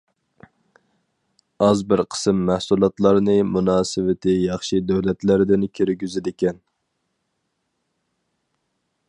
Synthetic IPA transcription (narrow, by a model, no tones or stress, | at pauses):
ɑzbɪɾqʰə̥sɨmːæhsulˠɑt̪lˠɑɾnɨmunɑːsɪvɪt̪ʰɪjɑχʃid̪øwlɛt̪læɾd̪ɪnkʲʰøɾɡʲyzɪd̪ɪkʲɛn